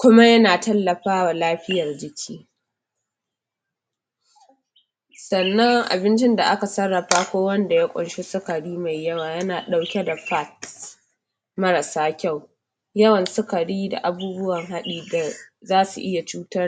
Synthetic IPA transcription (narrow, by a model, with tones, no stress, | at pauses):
kʷʊ˦ma˦jɐ˦naː˨tɐ˦lːɐ˨ɸaː˦wa˨laː˦ɸɪ˦jɐ˨rd͡ʒɪ˨kʲʰiː˦ | sɐ˨nːɐ˦ŋʔa̰˨bɪ˦nt͡ʃɪ˦nda˨ʔa˦ka˨sɐ˦rːɐ˨ɸaː˦kʷoː˦wɐ˦nda˨ja˦kʷʼʊ̰˨nʃe˦sʊ˦ka˨ɽiː˦ma˨jːɐ˦waː˨jɐ˦naː˨ɗa˨˦wkʲɛ˦da˨ɸa˦˨t | mɐ˦ɾa˨saː˦kʲa˦˨w | jɐ˦wɐ˨nsʊ˦ka˨ɽiː˦da̰˨ʔa˨buː˦bʊ˦wɐ˨ŋɦa˦ɗiː˨da˨zaː˦sṵ˨ʔɪ˦ja˨t͡ʃuː˦tɐ˦r